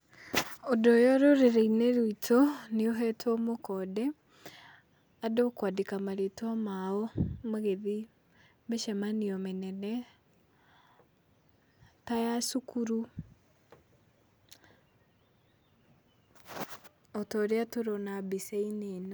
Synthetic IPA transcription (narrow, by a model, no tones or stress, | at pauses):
odɔjɔɾoɾeɾeineɾwitʰoneoɦɛtwɔmokɔdɛ | adokwadekamaɾetwamaɔmaɣeði | meʃɛmaniɔmenɛnɛ | tajasukuɾu | ɔtɔɾeatoɾɔnabiseineno